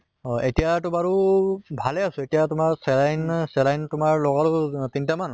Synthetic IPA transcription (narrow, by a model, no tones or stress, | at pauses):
ɔetijatʊmaɹubʱalɛasʊ̃etijatʊmaɹsɛlajnsɛlajntʊmaɹlɔɡalʊtintaman